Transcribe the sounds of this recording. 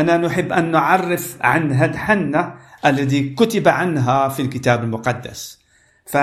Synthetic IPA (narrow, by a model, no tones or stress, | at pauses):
ʔananʊħɪbːʔanːʊʕɑrˤːɪfʕanɦalħanːaʔalːaðiːkʊt̪ɪbaʕanɦafilkɪt̪aːbalmʊqɑd̪ːa̰s | fa